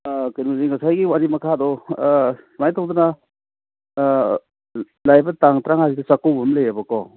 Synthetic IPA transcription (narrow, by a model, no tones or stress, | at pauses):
knminiŋkasajɡiwanimɐkʰadɔ | simajtʰawduna | lajbɐtaŋtɾaŋhazidɔsakowbɐmlejabɐkɔ̰